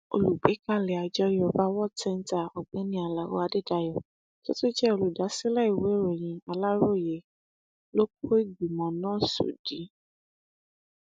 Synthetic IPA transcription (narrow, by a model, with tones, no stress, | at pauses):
o̰˧˨lu˨ɡ͡be˨˦ka˦˨lɛ˨a˨d͡ʒɔ˧jɔ˨ba˦wɔ˦tɛ˧n˦ta˦˨ɔ˨ɡ͡bɛ̃˨˦nĩ˧˦a˧˨la˨˦wɔ̰˦a˧de˦˨da˧jɔ˨ | to̰˦to˦d͡ʒɛ˦o˧lu˨da˨˦si˦lɛ˦i˨we˨˦ɾe˨j̃ĩ˧a˧la˦ɾo˦˨je˨ | lo˦k̚o˦i˦˨ɡ͡bi˨mɔ̃˨nãː˦˨so̰˨d̥i˨˦